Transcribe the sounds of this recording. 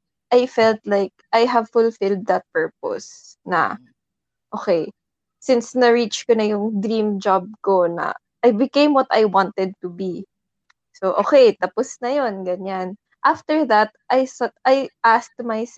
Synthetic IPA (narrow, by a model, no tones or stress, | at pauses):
ʔajfɛlt̪lajk̚ʔajɦɐvfʊlfɪld̪ːɐt̪̚pɛɹp̚o̰s | nɐ̰ | ʔo̰kɛj | sɪnsnɐɹit͡ʃkonɐjʊŋd̪ɾĩmd͡ʒab̚ko̞nɐ̰ | ʔajbɪkẽjmwɔt̪ajwɑ̃nt̪ɛd̪̚t̪ʊbi | soʔo̰ːkɛjt̪apɔsnɐjonɡɐɲan | ʔaft̪ɛɹðɐt̪̚ʔajsɛt̪ʔajʔast̪majs